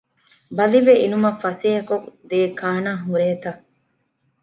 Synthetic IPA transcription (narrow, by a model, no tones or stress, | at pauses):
bɐliʋeʔinumɐfɐsiɦɐkokd̪eːkʰaːnaːɦuɾeːt̪ɐ